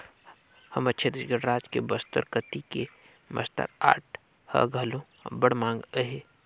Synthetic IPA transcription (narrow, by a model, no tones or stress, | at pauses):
hɐmɐtːʃʰed̪ɪʃɡəɽɾaːd͡ʒkebəst̪əɾkət̪ike | mɐ̰st̪ə̰ɾa̰ːʈ̚ʰ | hɐ̰ɡʱəlõ | bəɽmãːŋɡəɦeː